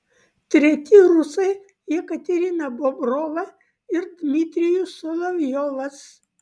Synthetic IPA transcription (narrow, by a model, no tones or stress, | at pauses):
t̪ʲɾʲɛt̪ʲɪɾʊsɐɪ | jɛkɐt̪ʲɛɾʲɪnɐbɔbɾɔːʋɐ | ɪɾd̪ʲmʲɪt̪ʲɾʲɪjʊsɔlˠɐʋʲjɔʋɐs